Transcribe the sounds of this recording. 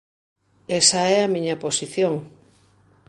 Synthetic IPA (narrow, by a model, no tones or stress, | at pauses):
esaɛamĩɲɐposiθjoŋ